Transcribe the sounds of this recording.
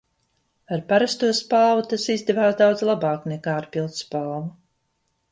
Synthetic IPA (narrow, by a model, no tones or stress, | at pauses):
aɾpaɾast̪uɔspalˠvut̪asizd̪ɛvaːsd̪awd̪zlˠabaːknekaːaɾpilˠt̪spalˠvu